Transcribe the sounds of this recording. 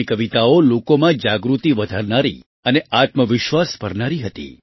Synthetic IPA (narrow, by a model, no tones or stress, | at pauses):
ikəʋit̪aolokomãd͡ʒaɡɾut̪iʋəd̪ʱaɾnaɾḭ | əneʔat̪məʋɪʃʋasbəɾnaɾiɦət̪ḭ